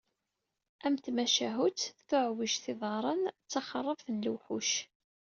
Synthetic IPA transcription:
ʔæmt̪mæʃæɦut͡sθʊʕwiʃθɪðˤɑɾˤənt͡sːɑχərˤːəfənluwħuʃ

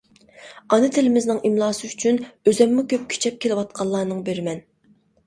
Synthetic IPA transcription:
ɑnɨt̪ʰɪlɪmɪznɪŋimlˠɑːsɨyt͡ʃʰynøzɛmːʊkʲʰøp̚kʲʰe̥t͡ʃʰɛp̚kʲʰelɪwɑt̪̚qʰɑlˠːɑːnɨŋbeɾɪmɛn

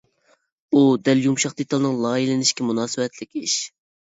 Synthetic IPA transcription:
ud̪ɛljumʃɑqd̪et̪ɑlˠnɨŋlˠɑːilɪnɪʃkʲɛmunɑːsɨwɛt̪ʰlɪkʲiʃ

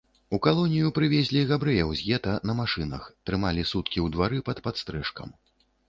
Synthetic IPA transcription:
ukalˠɔnʲijupɾɨvʲɛzʲlʲiɣabɾɛjɛwzʲjɛt̪ɐnɐmaʂɨnɐ̰xt̪ɾɨmalʲisut̪kʲiwd̪vaɾɨpɐt̪pat̪st̪ɾɛʂkɐ̰m

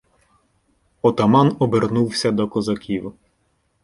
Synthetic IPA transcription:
ɔt̪ɐmɑnɔbernuwsʲɐd̪ɔkɔzɐkʲiw

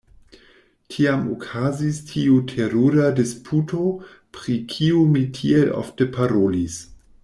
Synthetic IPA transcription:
tʰiamo̰kʰazistʰiutʰeɾuɾadispʰutʰo | pɾikʰiumitʰielʔo̰ftepʰaɾolis

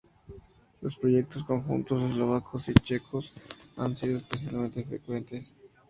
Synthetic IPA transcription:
lo̞spɾo̞ʝe̞k̚t̪os̬ko̞ŋxṵnt̪o̞s̬e̞zlo̞β̞akʰosit͡ʃe̞kʰosa̰nsiðoespes̬jalmẽnt̪e̞fɾekwe̞nt̪e̞s

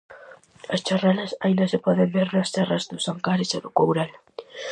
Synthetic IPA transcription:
ɐst͡ʃaralɐsajnd̪ɐsɪpɔðembeɾnɐst̪ɛrɐzðʊsaŋkaɾɪsaðʊkowɾal

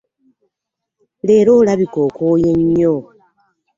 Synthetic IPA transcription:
leːɾoːlaβikoːkoːjeɲːo

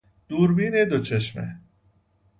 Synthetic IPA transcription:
d̪̥uːɾbiːned̪ot͡ʃʰeʃmḛ

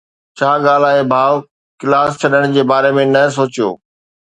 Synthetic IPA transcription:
t͡ɕʰaːɠaːl̤aːɦebʱaːʋ | kɪlaːst͡ɕʰɐɗəɽ̃d͡ʑeːbaːɾemẽnɐs̬oːt͡ɕijo̰ː

